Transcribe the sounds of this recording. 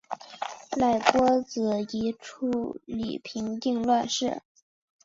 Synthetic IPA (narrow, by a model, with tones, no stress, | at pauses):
la˥˩ɪkwɔ˥t͡sɹ̩˧˩i˧˥ʈ͡ʂʰu˥˩lḭ˨˩pʰi˧˥ŋt̪i˥˧ŋlwa˥˧nʂɻ̩˥˩